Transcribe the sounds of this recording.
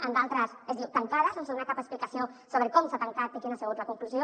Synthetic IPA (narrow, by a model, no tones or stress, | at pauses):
ənd̪alˠt̪ɾəsezd̪iwt̪aŋkaðəsansounakapəksplikɐsiosoβɾəkɔmsat̪əŋkat̪̚əkinasəɣut̪lɐkuŋkluzjo